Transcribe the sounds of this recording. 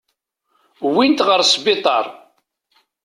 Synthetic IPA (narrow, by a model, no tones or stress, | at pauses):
wint̪ʁəɾsbɪt̪ˤɑ̰ɾˤ